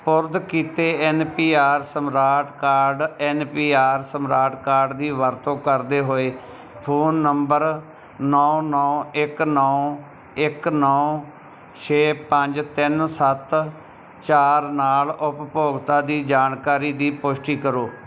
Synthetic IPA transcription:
pʊɾd̪kiːt̪eːɛnpiːaːɾsəmɾaːʈkaːɾɖɛːnpiːaːɾsəmɾaːʈkaːɾɖd̪iːʋəɾt̪õːkəɾd̪eːɦoːeː | pʰoːnːəmbəɾ | nɔːnɔːɪknɔː | ɪknɔː | t͡ʃʰeːpəɲd͡ʒt̪ɪnsət̪ | t͡ʃaːɾnaːlʊppoːɡt̪aːd̪iːd͡ʒaːnkaːɾiːd̪iːpoːsʈiːkəɾoː

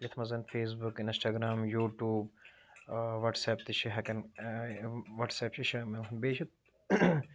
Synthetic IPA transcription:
jɐt̪ʰmɐzɐnfʰeːs̬bukɪnsʈaːɡɾaːmjuːʈjuːb | ʋɐʈsɛːp̚t̪iʃʰiɦɐkɐn | ʋɐʈsɛːp̚t͡ʃʰiʃimenbeːt͡ʃʰit̪̚

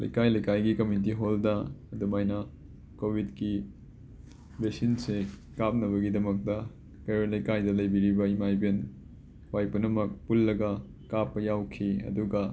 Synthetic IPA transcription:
lɐ̰jkajlɐjkajɡikɐmit̬iɦoldɐːdumajnɐ | kobʱidki | besinsekap̚nɐβɐɡidɐmɐk̚tɐ | kɐjɾolɐjkajdɐlɐjbiɾibɐimajben | wajpunɐmɐk̚pulːɐɡɐ | kapːɐjawkʰiɐ̰duɡɐ

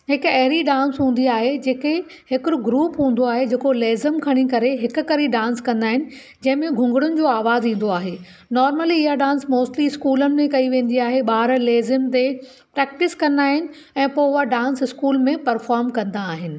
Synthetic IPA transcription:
ɦɪkɐɦɾiɖãːnsɦũːnd̪iaːɦed͡ʑeːke | hɪkɾʊɡɾuːpɦũːn̆d̪oaːɦed͡ʑeːkoleːzɪmkʰɐɽ̃ikɐɾeɦɪkʊ̆kɐɾiɖãːnskɐ̃nd̪aːɦɪnɪ̆ | d͡ʑɐ̃ɦɪ̃mẽɡʱʊ̃ŋɡɪɽʊnɪ̆d͡ʑoːaːʋaːzĩːn̆d̪oaːɦeː | nɔːɾməliɪɦaɖãːnsmoːsʈliɪskuːlənɪ̆mẽkɐiʋẽːnd̪iaːɦeɓaːɾleːzəmt̪e | pɾɛːk̚ʈɪskɐ̃nd̪aːɦɪnɪ̆ | ɛ̃ːpoːʊaɖãːnsɪskuːlmẽpɐɾfaːɾmkɐ̃nd̪aːɦɪnɪ̆

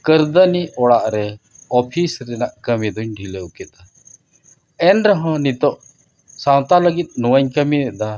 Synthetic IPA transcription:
kəɾd̪əniʔɔɽaʔɾɛ | ɔpʰisɾɛnaʔkəmid̪ɔɲɖʱileukɛt̪̚a | ɛnɾɔɦɔ̃nit̪ɔʔ | sãw̃t̪aləɡit̪̚nɔwəɲkəmiɛd̪a

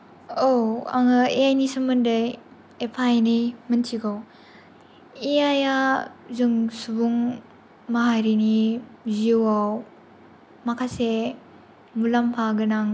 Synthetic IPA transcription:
owa̰ŋɯeajnisɯmːɯndɯj | epʰajnimɯntʰiɡaw | eajazɯŋsubuŋ | maɦajɾiniziwaw | makʰase | mulampʰaɡɯnaŋ

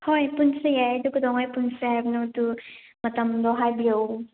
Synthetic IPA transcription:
hojpunsɯjajdukʰud̪ɔŋɔjpunsɯajbnotu | mɐtɐmdɔɦajbijow

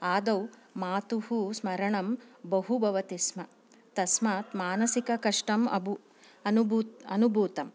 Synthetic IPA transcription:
aːd̪ɐwmaːt̪uhusmɐɾɐɳɐmbɐɦubʱɐʋɐt̪ismɐ | t̪ɐsmaːt̪maːnɐsikɐkɐʂʈɐmɐ̰bʱu | ɐnubuɐnubʱuːt̪ɐm

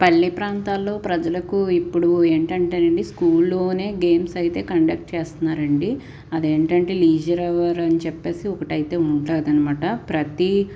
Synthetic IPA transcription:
pɐlːipɾaːnt̪aːlːo̞ːpɾɐd͡ʒɐlɐkuipːuɽue̞ːɳʈɐɳʈeːɐɳɖiskuːlːo̞ːne̞ːɡe̞ːmsɐjt̪e̞ːkɐɳɖɐk̚ʈt͡ʃeːst̪unːaːɾɐɳɖi | ɐd̪eːɳʈɐɳʈeːliːd͡ʒɐɾɐʋɐɾɐnit͡ʃɛpːe̞ːsiɔkɐʈɐjt̪e̞ːuɳʈleːd̪ɐnimaːʈɐpɾɐt̪i

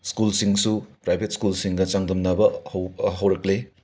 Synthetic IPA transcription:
skulsiŋsupɾajbʱet̚skulsiŋɡɐt͡ʃaŋdɐmnɐbɐhwɦɐwɾɐkle

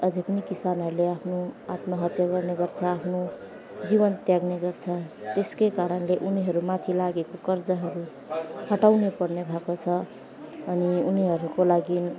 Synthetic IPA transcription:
ʌd͡zipʌnikisanʌɾuleapʰnoat̪maɦʌt̪jaɡʌrneɡʌrt͡sʰʌapʰno | d͡zibʌnt̪jaɡneɡʌrt͡sʰʌt̪eskekaɾʌnleʔuniɦʌɾumat̪ʰilaɡekokʌrd͡zʌɦʌɾu | hʌʈawnepʌrnebʱakot͡sʰʌː | niuniɦʌɾukolaɡi

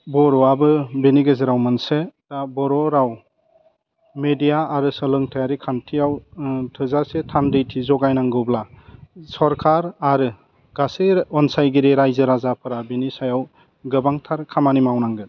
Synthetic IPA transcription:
bɔɾɔabɯbeniɡɯzɯɾawmɯnsed̥abɔɾɔɾaw | medijaːɾɯsɔlɯŋtʰajaɾikʰantʰiawtʰɯzasetʰandejtʰizɔɡajnaŋɡɯwblasɔɾkʰaɾaɾɯ | ɡ̥aseɔnsajɡiɾeɾajzɯɾazapʰɯɾabenisajaw | ɡɯbaŋtʰaɾkʰamanimawnaŋɡɯ

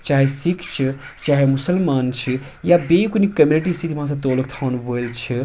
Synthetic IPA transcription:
t͡ʃaːɦesikʰt͡ʃʰi | t͡ʃaːɦemʊsəlmaːnt͡ʃʰi | jabekunikəmjuniʈist̪ʰit̪ʰiʋɐɦãs̬ɐ̃t̪oːlək̚t̪ʰawnboelt͡ʃʰi

